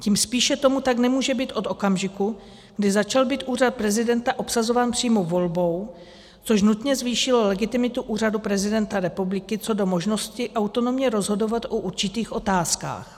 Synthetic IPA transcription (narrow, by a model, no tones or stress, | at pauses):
ciːmspiːʃɛt̪o̞mut̪aɡnɛmuːʒɛbiːt̪ʔo̞t̪o̞kamʒɪku | ɡdɪzat͡ʃalbiːt̪ʔuːrat̪̚pɾɛzɪdɛnt̪aʔo̞psazo̞vaːnpr̥iːmovo̞lbo̞w | t͡so̞ʃ̬nut̪ɲɛzviːʃɪlolɛɡɪt̪ɪmɪt̪uʔuːr̝adupɾɛzɪdɛnt̪aɾɛpublɪkɪt͡so̞do̞mo̞ʒno̞scɪʔawt̪o̞no̞mɲɛɾo̞zɦo̞do̞vat̪ʔoʔuɾt͡ʃɪt̪iːxʔo̞t̪aːska̰ːx